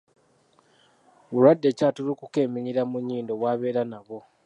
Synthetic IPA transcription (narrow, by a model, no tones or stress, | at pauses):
βulwadːe̞ːcaːtulukuke̞ːmiɲiɾamuɲːiːndo̞βwaːβe̞ːɾanaβo̞